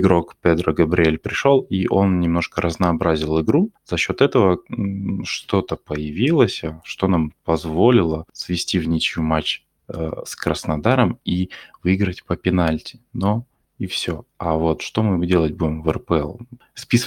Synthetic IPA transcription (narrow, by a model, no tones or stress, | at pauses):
ɡɾo̞kpʲed̪ɾəɡəbɾʲɪelʲpɾʲɪʂolˠiʔo̞nnʲɪmno̞ʂkəɾʔəznɐːbɾazʲɪlˠɪɡɾuz̥ɐɕːo̞t̪ɛt̪əvə | ʂt̪o̞t̪əpəjɪvʲilˠəsʲəʂt̪o̞nampɐzvo̞lʲɪlˠəsvʲɪsʲtʲivnʲit͡ɕjumat͡ɕ | skɾəsnɐd̪aɾəmivɨiɡɾətʲpəpʲɪnalʲtʲɪ̥no | ifsʲoavo̞t̪ʂt̪o̞mɨdʲe̞lˠətʲbudʲɪmvərpəɛlˠspʲis